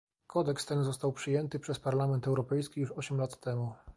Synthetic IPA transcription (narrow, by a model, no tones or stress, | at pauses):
kʰɔd̪ɛkst̪ɛnzɔst̪awpʂɘjɛnt̪ɘpʂɛspaɾlamɛnt̪ɛwɾɔpɛjskʲijuʂɔɕɛmlat̪ːɛmu